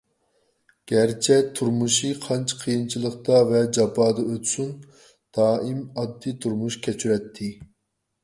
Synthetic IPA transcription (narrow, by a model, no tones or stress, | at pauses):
ɡ̥ʲɛɾt͡ʃʰɛt̪ʰuɾmuʃiqʰɑnt͡ʃʰqʰijint͡ʃʰilˠəq̚t̪ɑvɛd͡ʒɑbɑːd̪ɑøt̪sun | d̪̥ɑːʔimɑd̪ːit̪ʰuɾmuʃkʲʰɛt͡ʃʰyɾɛt̪ʰːɪ